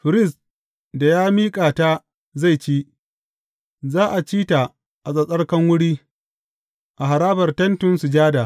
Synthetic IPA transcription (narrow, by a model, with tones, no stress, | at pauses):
ɸɪ˨ɾɪ˦˨s | da˨jaː˦miː˦kʼaː˨ta˦ | za˦˨jt͡ʃiː˦ | zaː˦ʔa˨t͡ʃiː˦ta˨ | ʔa˨sʼɐ˨sʼɐ˦rkɐ˦ŋwʊ˦ɽiː˦ | ʔa˨ɦa˨ɾaː˦bɐ˨rtɐ˦ntʊ˦nsu˨d͡ʒaː˦da˨